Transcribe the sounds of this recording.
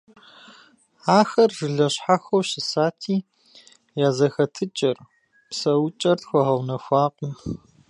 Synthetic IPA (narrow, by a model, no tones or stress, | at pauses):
aːxɐrʒɨɮɐɕħaxɐwɕɪsaːtʰiː | jaːzɐxɐtʰɨt͡ʃʼɐr | psɐwt͡ʃʼɐrtxʷɔʁɐwnɐxʷɑːqʷʼʊm